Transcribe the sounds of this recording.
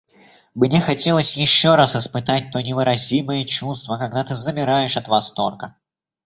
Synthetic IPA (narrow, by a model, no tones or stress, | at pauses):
bɨnʲexɐtʲe̞lˠəsʲjɪɕːo̞ɾasɪspɨt̪at̚ʲt̪o̞nʲɪvɨɾɐzʲiməjət͡ɕust̪vəkɐɡ̚d̪at̪ɨzəmʲɪɾajɪʂɐt̪vɐst̪o̞rkə